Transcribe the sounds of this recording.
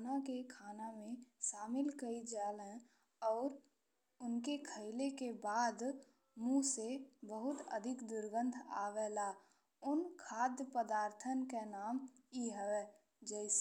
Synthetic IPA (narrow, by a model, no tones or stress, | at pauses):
nakekʰaːnamẽʃaːmɪlkəid͡ʒaːlɛ̃ | ɔːɾ | ʊnkekʰəɪlekebaːd̪ | mũsebəɦʊt̪ə̰d̪ʱɪkd̪ʊɾɡə̃nd̪ʰʱa̰ːʋɛːla | ʊnkʰaːd̪jəpəd̪aːɾt̪ʰənkenaːmiɦəʋɛ | d͡ʒɛɪs